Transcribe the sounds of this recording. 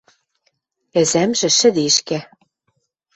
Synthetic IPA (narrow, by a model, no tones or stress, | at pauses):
æ̆zæmʒɘ̆ʃɘ̆d̪eʃkæ